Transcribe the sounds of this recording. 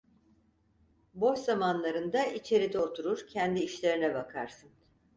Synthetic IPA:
bo̞ʃzamanlˠaɾɯnd̪aʔit͡ʃʰe̞ɾid̪ɛo̞t̪ʰuɾuɾcʰɛnd̪iːʃlʲe̞ɾinɛbakʰaɾsɯn

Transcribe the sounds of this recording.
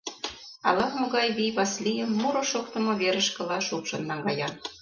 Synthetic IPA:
ɑlɑxmŏɣɑjβijβɑslʲijə̆mːuɾŏʃokt̪ɤ̆mŏβeɾə̆ʃkɤ̆lɑʃukʃɤ̆nːɑŋɡɑjɑn

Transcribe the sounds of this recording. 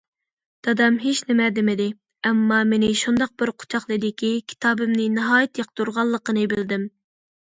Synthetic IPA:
d̪̥ɑd̪ɑmɦeʃnɪmɛd̪ɪmɪd̪ɪ | ɛmːɑmɪnɪʃund̪ɑq̚bɪɾqʰʊ̥t͡ʃʰɑχlˠɨd̪ɪkʲikʲʰi̥t̪ʰɑːbɨmnɪnɑɦɑːjɛt̪jɑq̚t̪uɾʁɑlˠːəqənɨbɪld̪ɪm

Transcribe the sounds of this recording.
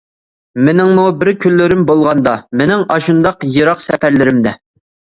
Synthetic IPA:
mɪnɪŋmubɪɾkʲʰylːɪɾɪmbolˠʁɑnd̪ɑmɪnɪŋɑʃund̪ɑqjeɾɑqsɛpæɾlɪɾɪmd̪ɛ

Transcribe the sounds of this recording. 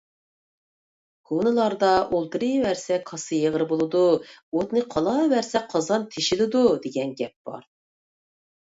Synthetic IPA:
kʰonɨlˠɑɾd̪ɑʔolˠt̪ɨɾɨwæɾsɛkʰɑsɨjeʁɾɨbolˠɨd̪uot̪nɨqʰɑlˠɑvæɾsɛqʰɑzɑnt̪ʰeʃilɪd̪ud̪eɡʲɛnɡʲɛp̚b̥ɑ̰ɾ

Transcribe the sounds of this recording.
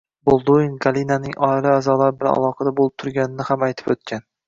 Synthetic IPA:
bolˠd̪oinɡalinanɪŋʔɒɪlɪazɒlˠaɾbɪla̰lˠɒqʰɑd̪abolˠɪp̚t̪ʰʊɾɡʲanɪnɪhamajt̪ʰɪ̥pɵt̪̚kʲʰan

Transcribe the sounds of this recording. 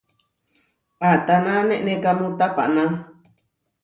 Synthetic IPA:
at̪anãnẽʔnẽkamũt̪apa̰ʔnã

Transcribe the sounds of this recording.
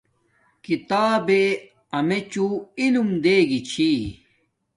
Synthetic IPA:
kit̪aːbe | ɐmet͡ɕuilumd̪eːɡit͡ɕʰi

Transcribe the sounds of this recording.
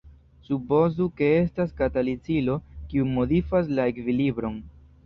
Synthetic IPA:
supo̞zuke̞e̞staskatalit͡silo̞kiumo̞difas̬lae̞kvilibɾo̞n

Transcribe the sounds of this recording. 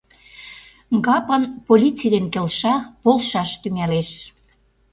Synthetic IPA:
ɡɑpə̆npolʲit͡sid̪enkelʃɑpolʃɑʃt̪yŋæleʃ

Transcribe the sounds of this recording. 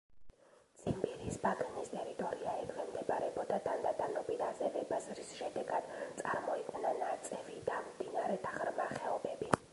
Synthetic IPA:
t̪sʰimbiɾisbak̪ʼinist̪ʼɛɾit̪ʼɔɾiaɛkʰvɛmd̪ɛpʼaɾɛbɔd̪ad̪and̪ad̪anɔbʼid̪azɛvɛbazɾisʃɛd̪ɛɡad̪̥t̪sʼaɾmɔikʼnanat̪sʼɛvid̪̥amd̪inaɾɛt̪ʰḁχɾmaχɛɔbɛbi

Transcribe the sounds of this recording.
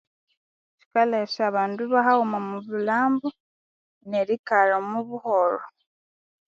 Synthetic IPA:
t͡ʃi̥kaleʃaβaːnduβaɦahumamuβulaːmbo | neɾikaɾamuβuhoɾo

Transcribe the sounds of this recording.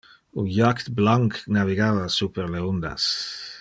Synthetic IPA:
ojakt̪blaŋknaviɡaːvasuːpəɾleɔnd̪a̰s

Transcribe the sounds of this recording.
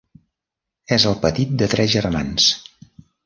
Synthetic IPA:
ɛzəlˠpət̪it̪̚d̪ət̪ɾɛzʒərmans

